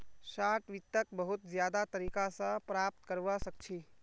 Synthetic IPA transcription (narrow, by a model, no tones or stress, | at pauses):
saʈʰʋit̪ːək̚bəɦut̪d͡ʒjaːd̪at̪əɾikasə̃pɾaːp̚t̪kəɾʋəsək̚t͡ʃʰi